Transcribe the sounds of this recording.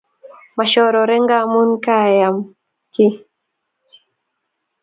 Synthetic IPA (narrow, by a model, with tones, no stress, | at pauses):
ma˨ʃɔ˨ɾɔ˨ɾɛ˦ŋɡa˦˨mu˦nka˦˨ja˨m | ki˦